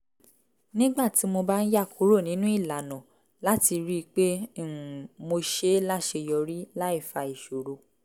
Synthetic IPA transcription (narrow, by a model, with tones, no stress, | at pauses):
nĩ˦ɡ͡ba˦˨ti˨˦mo˧ba˦n̩˦ja˦˨kʰu˨˦ɾo˦˨nĩ˨˦nũ˦i˦˨la˨nɔ̃˨ | la˦ti˧ɾi˦˧k͡pẽ˦˨ | mo˧ʃe˦la˦ʃe˧jɔ˧ɾi˦la˦i˦˨fa˧˨i˨ʃo˨ɾo˨